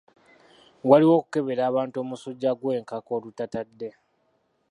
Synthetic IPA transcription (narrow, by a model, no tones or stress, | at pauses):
waliwo̞ːku̥ke̞βe̞ɾaːβaːnto̞musoɟːaɡwe̞ːŋkako̞ːlutatadːe̞